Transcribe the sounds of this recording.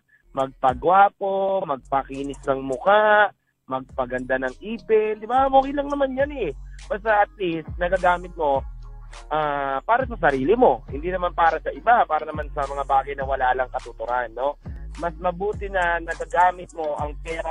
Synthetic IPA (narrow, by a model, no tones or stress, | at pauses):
mɐɡ̚pɐɡwaːpomɐɡ̚pɐkiːnɪsnɐŋmʊkaʔ | mɐɡ̚pɐɡɐnd̪anɐŋʔiːpɪnd̪ɪbamokilɐŋnɐmanjanɛbɐst̪ɐʔɐt̪̚list̪̚nɐɡɐɡaːmɪt̪̚mo̞ | ʔaːpaːɾɐsɐsɐɾiːlɪmo̞hɪnd̪inɐmanpaːɾɐsɐʔɪbapaːɾɐnɐmansɐmɐŋabaːɡɐjnɐwɐlaːlɐŋkɐt̪ʊt̪ʊɾanːo̞mɐsmɐbuːt̪ɪnɐnɐɡaɡaːmɪt̪̚mo̞ʔɐŋpɛːɾɐ